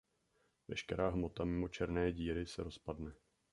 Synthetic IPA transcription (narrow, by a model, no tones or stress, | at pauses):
vɛʃkɛɾaːɦmo̞t̪amɪmo̞t͡ʃɛɾnɛːɟiːɾɪsɛɾo̞spadnɛ